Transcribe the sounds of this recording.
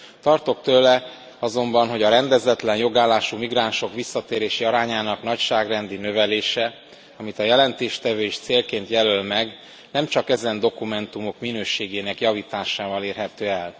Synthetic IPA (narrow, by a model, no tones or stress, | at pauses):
t̪ɒrt̪o̞kt̪øːlɛ | ɒzo̞mbɒnɦo̞ɟɒɾɛnd̪ɛzɛt̪lɛnjo̞ɡaːlːaːʃumiɡraːnʃo̞kʋisːɒt̪eːɾeːʃiɒɾaːɲaːnɒknɒcʃaːɡrɛnd̪inø̞vɛleːʃɛ | ɒmit̪ɒjɛlɛnt̪eːʃt̪ɛvøːiʃt̪seːlkeːnt̪jɛlølmɛɡ | nɛmt͡ʃɒkɛzɛnd̪o̞kumɛnt̪umo̞kminøːʃeːɡeːnɛkjɒviːt̪aːʃaːvɒleːrɦɛt̪øːɛl